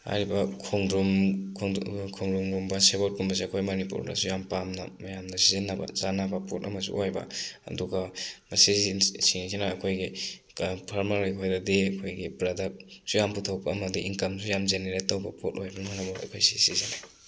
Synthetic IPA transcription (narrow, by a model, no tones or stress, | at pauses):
ha̰jɾibɐkʰuŋdɾumʰ | kʰoŋɾumɡumbɐsebolt̚kumbɐs̬iɐkʰojmonipṵɾda̰sujampamnɐ̰mɐjamnɐsizinːaba̰zanabɐpotɐ̰mɐsṵʔojbɐ̰ɐ̰duɡɐmɐsisiŋizinaːkʰojɡi | pʰaɾmalijkʰojdadiɐkʰojɡibɾadasujamputʰawpɐːmɐdiiŋkɐmsujamzeneɾetːɐwbɐpot̚ojbɐnuŋanabaɐ̰kʰojsi̥sizina